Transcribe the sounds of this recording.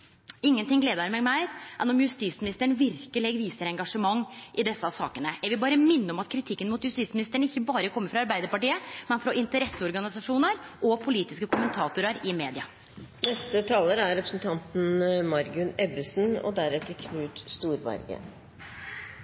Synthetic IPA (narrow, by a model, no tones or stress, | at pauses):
ɪŋːənt̪ɪŋɡleːd̪əɾmeːɡmæɪʔɛnɔmjʉst̪iːsmɪnɪst̪əɳʋɪɾkəlɪɡʋiːsəɾɛŋɡɑʂəmɑŋːʔɪd̪ɛsːəɑsɑ̰ːkənəɛʋɪbɑːɾəmɪnːəɔmɑt̪kʰɾɪt̪ʰɪkːənmuːt̪jʉst̪iːsmɪnɪst̪əɳəɪçːəbɑːɾəkʰɔmːəɾfɾɑɑɾbæɪd̪əɾpɑʈiːəmɛnfɾɑʔɪnt̪əɾɛsːəɔɾɡɑnɪsɑʂuːnəɾʔɔpʰʊliːt̪ɪskəkʰʊmənt̪ʰɑːt̪ʊɾəɾɪmeːd̪ɪɑ | nɛst̪ət̪ʰɑːləɾæɾɾɛpɾəsn̩t̪ʰɑnt̪n̩mɑɾɡʉnɛbəsn̩ɔ̰d̪æɾɛt̪ːəɾkʰnʉːt̪st̪uːɾbæ̰ɾɡə̰